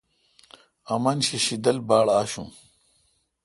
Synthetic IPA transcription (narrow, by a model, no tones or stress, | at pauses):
ɐmɐnɕiɕid̪ɐlbaːɭaːɕṵ̃